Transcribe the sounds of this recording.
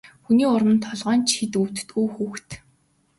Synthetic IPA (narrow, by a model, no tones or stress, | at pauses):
xuniːʊɾə̆nt̪ʰɔɮʁœːnt͡ɕxit̪uw̥t̪ɵ̥̆t̪ɡujxuːxt̪